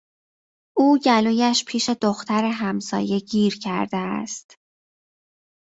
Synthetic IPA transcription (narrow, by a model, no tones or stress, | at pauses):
ʔuːɟæluːjæʃpʰiːʃe̞d̪oxt̪ʰæɾeɦæmsɒ̰ːje̞ɟiːɾcʰæ̰ɾd̪eæ̰st̪